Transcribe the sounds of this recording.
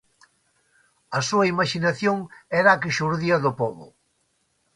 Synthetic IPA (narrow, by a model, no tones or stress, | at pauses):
ɐsuɐimaʃinaθjoŋɛɾakiʃuɾðiɐðʊpɔβʊ̰